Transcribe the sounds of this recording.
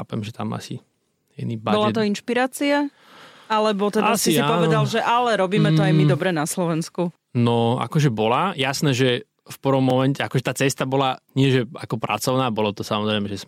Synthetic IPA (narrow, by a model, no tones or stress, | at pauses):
a̰ːpɛmʒɛt̪a̰ma̰si | ɛnibabɔlat̪ɔinʃpiɾaːt͡sia | alɛbɔt̪ɛdasisiapɔʋɛd̪alʒɛʔalɛɾɔbiːmɛt̪ɔajmid̪ɔbɾɛnaslɔʋɛnsku | nɔa̰kɔʒɛbɔlajasnɛːʒɛ | fprʋɔmːɔmɛncɛakɔʒɛt̪aːt͡sɛst̪abɔlaɲɪɛʒɛakɔpɾʔa̰t͡sɔʊnaːbɔlɔt̪ɔsamɔzɾɛɪmɛʒɛs